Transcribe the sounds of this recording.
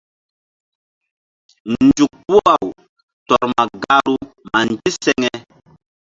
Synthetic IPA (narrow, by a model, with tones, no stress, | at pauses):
nnd͡ʒu˨k̚pu˦a˨w | tɔ˨ɾma˨ɡa˦ɾu˦ | ma˨nd͡ʒi˦sɛ˦ŋɛ˦